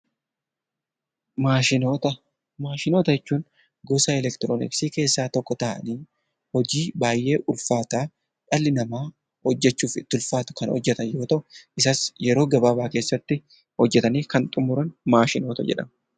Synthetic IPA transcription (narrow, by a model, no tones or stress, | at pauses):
maːʃɪnoːt̪ɐ | maːʃɪnoːt̪ɐjɛt͡ʃːuːn | ɡɔsɐɛlɛkt̪ɪɾonɪ̰ksiːke̞ːsːaːt̪ɔkːɔt̪ɐʔɐ̰niː | hɔd͡ʒiːbaːjːe̞ːʔʊlfaːt̪aː | ᶑɐlːɪnɐmaː | hɔd͡ʒːɛt͡ʃːuːfɪ̰t̪ːɪʊlfaːt̪ʊ̥kɐnhɔ̰d͡ʒːɛt̪ɐnjo̞ːt̪ɐʔʊʔɪsaːsjɛɾo̞ːɡɐbaːbaːke̞ːsːɐt̪ːɪ | hɔd͡ʒːɛt̪ɐniːkɐnt̪ʼʊmʊɾɐnmaːʃɪno̞ːt̪ɐ̰d͡ʒɛ̰ᶑɐ̰m